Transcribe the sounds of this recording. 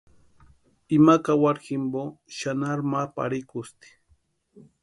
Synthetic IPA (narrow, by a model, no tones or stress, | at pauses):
ɪmakawaɾhɪmboʃanaɾmapa̰ɾɪkʊst̪i̥